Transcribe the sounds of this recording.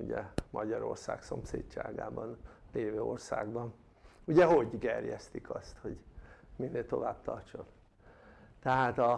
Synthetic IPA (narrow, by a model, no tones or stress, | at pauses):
ṵɟɛmʔɒɟɒɾo̞̰rsa̰ːkso̞mseːtt͡ʃa̰ːɡa̰ːbɒnleːvøːorsaːɡbɒn | uɟɛɦo̞ɟɡɛrjɛst̪ikʰɒst̪ho̞ɟminːeːlt̪o̞vaːb̚t̪ʰɒrt͡ʃo̞n | t̪ɛɦaːt̪ɒ